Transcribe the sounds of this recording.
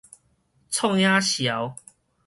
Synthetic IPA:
t͡sʰɔ˥˧ŋjã˦ɕja˨˦w

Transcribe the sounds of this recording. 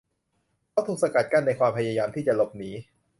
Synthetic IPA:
kʰaː˦˥wt̪ʰuː˨˧˥ksa˧ka˨˩t̪̚ka˥˩nːa˧jkʰwaː˧mpʰa˧jaː˧jaː˧mt̪ʰiː˥˩t͡ɕa˨˩lo˨˩p̚niː˩˦

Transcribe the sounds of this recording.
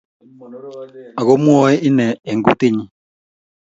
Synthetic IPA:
a˨ɣo˦mwɔ˦ɛ˦i˦nɛː˨ŋɡṵ˨te˦ɲi˨

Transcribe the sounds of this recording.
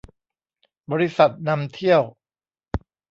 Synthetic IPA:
bɔː˧ɾi˦˥sa˨˩t̪̚na˧mt̪ʰi˥˩əw

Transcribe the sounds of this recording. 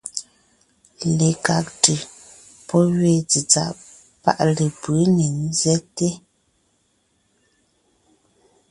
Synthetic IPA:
le˨ka˨k̚tʉ˨ | pɔ˦ɥe˦t͡si˨t͡sa̰˦ʔ | pa̰˦ʔle˨pə˨˦ne˨n˦zɛ˦te˦

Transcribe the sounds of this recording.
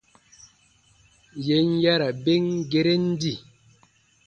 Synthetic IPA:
je˨˦n̩˦ja˦ɾa˨be˦ŋ˦ɡe˨ɾe˦n̩˦di˦˨

